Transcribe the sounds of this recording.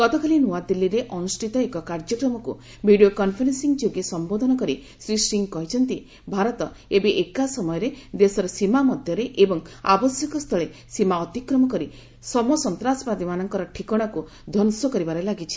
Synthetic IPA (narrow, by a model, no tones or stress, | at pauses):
kɔt̪ɔkʰalinuad̪ilːiɾeʔɔnusʈʰit̪ɔekɔkaɾd͡ʒɔkɾɔmɔkṵ | bʱiɖiokɔnpʰeɾensiŋd͡ʒoɡesɔmbod̪ʱɔnɔkɔɾi | sɾisʈiŋkɔɦit͡ʃʰɔnt̪i | bʱaɾɔt̪ɔ | ebeʔekasɔmɔjɔɾed̪esɔɾɔsimamɔd̪ʱjɔɾeʔebɔŋa̰bɔsjɔkɔst̪ʰɔɭesimaɔt̪ikɾɔmɔkɔɾi | sɔmɔsɔnt̪ɾasɔ̥pɾad̪imanɔŋkɔɾɔʈʰikɔɽ̃aku | d̪ʱɔnsɔkɔɾibaɾelaɡit͡ʃʰi̥